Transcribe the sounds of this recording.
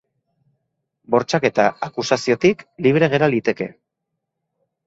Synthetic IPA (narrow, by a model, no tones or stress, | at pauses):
bo̞ɾt͡ʃake̞t̪aakusasio̞t̪ikliβ̞ɾe̞ɣ̞e̞ɾald̪it̪e̞ke̞